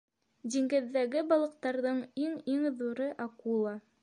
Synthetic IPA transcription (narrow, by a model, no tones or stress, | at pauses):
d̪iŋɡɘ̆ðːæɡɘbɑlˠɤ̆q̚t̪ɑɾðɤɴiŋiŋðuɾɤʔɑkulˠɑ